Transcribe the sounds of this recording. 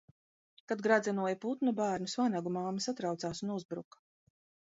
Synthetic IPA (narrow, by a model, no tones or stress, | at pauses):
kad̪̚ɡɾad̪zʲɛnuɔjput̪nubaːɾnusvanaɡumaːmɐsat̪ɾawt̪saːsunuzbɾṵkḁ